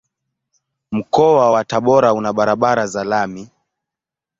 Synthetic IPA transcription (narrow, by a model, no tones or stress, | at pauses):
m̩kɔwawataɓɔɾaunaɓaɾaɓaɾazalami